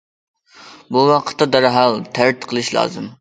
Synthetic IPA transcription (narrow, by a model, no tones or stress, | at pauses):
buwɑqʰə̥t̪ːɑd̪ɑɾɦɑlˠt̪ʰæɾt̪qʰəlˠɨʃlˠɑ̰ːzɨm